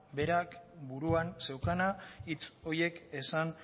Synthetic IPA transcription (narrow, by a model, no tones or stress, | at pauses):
be̞ɾakbuɾuanse̞wkanait͡so̞je̞ke̞san